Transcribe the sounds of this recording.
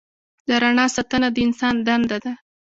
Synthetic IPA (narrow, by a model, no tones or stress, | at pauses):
d̪aɾaɳɑsat̪ənad̪əɪnsɑnd̪and̪ad̪a